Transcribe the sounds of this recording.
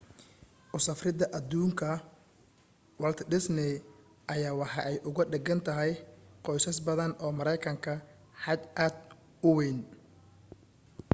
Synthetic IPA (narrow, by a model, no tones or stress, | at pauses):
ʔʊsɐfrɪðɐʔɐd̪uːŋkʰɐ | wɐlt̪ʰɖɪsnɪ | ʔɐjaːwɑħɑʔɛjʔʊɣʊɖɛɡɐnt̪ʰɐɦɛjqɔjsɐsbɐðɐnɔːmɐɾɛjkʰɐŋkʰɐ | ħɑd̪ʔaːd̪ | ʊwejn